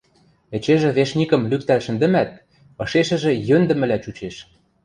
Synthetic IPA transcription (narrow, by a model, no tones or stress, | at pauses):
ĕt͡ɕeʒĕβeʃnʲikə̆mlyk̚t̪ælʃə̆nd̪ɘ̆mæt̪̚ | ɤ̆ʃeʃɘ̆ʒĕjønd̪ɘ̆mɘ̆læt͡ɕut͡ɕeʃ